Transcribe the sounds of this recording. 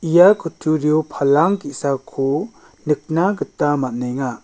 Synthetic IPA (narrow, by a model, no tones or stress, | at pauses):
ijakʰɯtʰuɾjopʰalaŋkisakʰu | nɯk̚naɡɯtːamat̚nɯjŋa